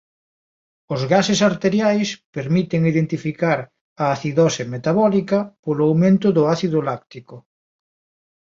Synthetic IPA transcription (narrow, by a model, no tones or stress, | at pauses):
ʊzɣasesaɾt̪eɾjajspeɾmit̪eŋiðent̪ifikaɾ | ɐːθiðɔsemet̪aβɔlikɐpolʊawmẽnt̪ʊðʊaθiðʊlakt̪ikʊ